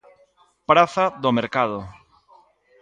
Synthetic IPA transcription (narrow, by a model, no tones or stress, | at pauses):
pɾaθaðomeɾkað̞o